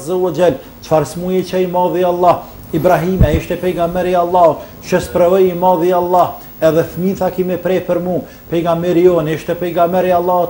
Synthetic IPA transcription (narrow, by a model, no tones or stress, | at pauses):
zawad͡ʒal | t͡ʃfaɾsmujɛt͡ʃaimɑðialˠːah | ibɾaɦimɛiʃt̪ɛpɛɡamɛɾialˠːahut̪ | t͡ʃəspɾɛvɔjimɑðialˠˤːah | ɛðɛfminθakimɛpɾɛpəɾmu | pɛɡamɛɾiɔniʃt̪ɛpɛɡamɛɾialˠːaut̪